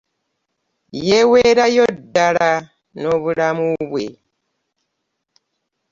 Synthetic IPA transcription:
jeweɾajodːala | no̞βulamuβwḛ

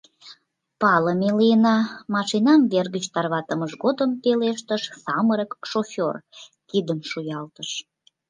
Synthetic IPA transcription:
pɑləmelijənɑmɑʃinɑmβerɣət͡ɕt̪ɑrβɑt̪əməʃɣod̪əmpeleʃt̪əʃsɑməɾəkʃofʲorkid̪əmʃujɑlt̪əʃ

